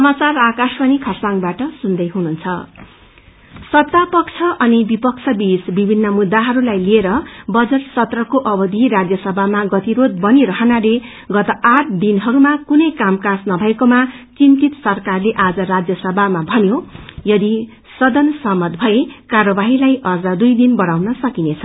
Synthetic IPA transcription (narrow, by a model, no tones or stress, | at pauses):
sʌmat͡sarakaswʌnikʰʌsaŋbaʈʌsund̪ʌjɦununt͡sʰʌ | sʌt̪ːapʌkt͡sʰʌʔʌnibipʌk̚t͡sʰʌbisbibʱinːʌmud̪ːaɦʌɾulajlieɾʌbʌd͡zʌʈsʌt̪rʌkoʔʌbʌd̪ʱiɾad͡zjʌsʌbʱamaɡʌt̪iɾod̪̚bʌniɾʌɦʌnale | ɡʌt̪ʌʔaʈʰd̪inɦʌɾumakunʌjkamkasnʌbʱʌekomat͡sint̪it̪sʌrkarleʔad͡zʌɾad͡zjʌsʌbʱamabʱʌnjojʌd̪i | sʌd̪ʌnsʌmʌd̪bʱʌekarʌbaɦilajʔʌrd͡zad̪ujd̪inbʌɽawnʌsʌkinet͡sʰʌ